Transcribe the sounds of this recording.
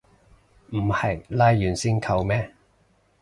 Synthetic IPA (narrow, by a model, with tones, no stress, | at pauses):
m̩˨˩hɐ˨˩jlaː˧jːyː˨˩nsiː˥nkʰɐ˧wmɛː˥